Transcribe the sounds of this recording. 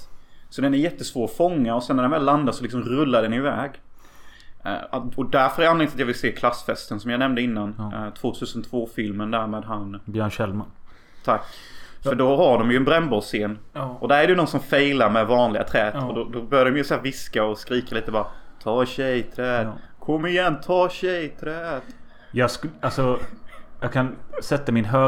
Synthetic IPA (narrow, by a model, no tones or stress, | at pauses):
sɔd̪ɛnɛɾjɛt̪ːəsvoːɾɔfɔŋːaɔsɛnːæɾɖɛnvɛːlːand̪at̪sɔlɪksɔmɾɵlːaɖ̪ɛnɪvɛːɡ | ɔd̪æɾfœɾhaɾjɾanlɛŋt̪sat̪jɑːvɪlseːkʰlasːfɛst̪ənsɔmjaːnɛmnd̪əɪnːant̪ʰv̥oːt̪ʰʉ̟ːsənt̪ʰv̥oːfɪlmənd̪æɾmeːd̪ɦanbjœːɳɕɛlman | t̪ʰak | fœɖɔɦaɖɔmjɵɛnbɾɛmbɔseːn | ʔɔd̪æɾæɾɛjɵnɔnsɔmfɛjlaɾmɛvɑːnlɪɡa̰t̪ʰɾɛːt̪ɔd̪ɔd̪ɔbœɾjad̪ɔmjəsæːɾvɪskaɔskɾiːkaliːt̪əbɑːɾat̪ʰɑːɕɛjt̪ʰɾɛːd̪kʰɔmːɪjɛnːt̪ʰɑːɕɛjt̪ʰɾɛːt̪ | jɑːɡsalsɔ | jɑːɡkʰansɛt̪ːamɪnɦøː